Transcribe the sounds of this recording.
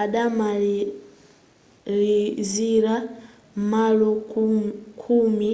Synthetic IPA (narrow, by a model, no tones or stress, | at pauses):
aɗama | liziɾa | malɔ | kʰumi